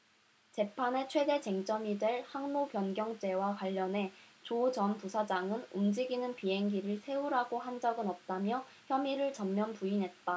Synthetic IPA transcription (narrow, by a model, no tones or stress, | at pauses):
t͡ɕe̞pʰane̞t͡ɕʰwe̞de̞t͡ɕe̞ŋt͡ɕ͈ʌmidwe̞ɭhaŋnopjʌnɡjʌŋt͡ɕ͈e̞wakwaʎːʌnɦe̞t͡ɕot͡ɕʌnpusʰad͡ʑaŋɯnumd͡ʑiɡinɯnpiɦe̞ŋɡiɾɯɭsʰe̞uɾaɡohand͡ʑʌɡɯnʌp̚t͈amjʌ | çjʌmiɾɯɭt͡ɕʌmːjʌnpuinɦe̞t̚t͈a